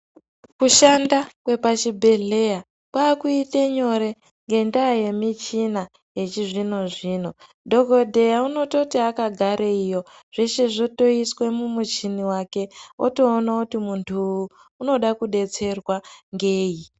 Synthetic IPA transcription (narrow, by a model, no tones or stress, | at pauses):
kuʃandakwe̞pat͡ʃibʱe̞ɮe̞ja | kwaːkuiteɲo̞ɾe̞ | ŋɡe̞ndaje̞mit͡ʃina | je̞t͡ʃiʐino̞ʐiːno̞ | dʱo̞ko̞dʱe̞jauno̞to̞tiakaɡʱaɾeijo̞ | ʐ̥eʃe̞ʐoto̞iswe̞mumut͡ʃiniwake̞o̰to̞ːnakutimuntʰuː | no̞ɗakuɗe̞t͡se̞rwaŋɡe̞ːji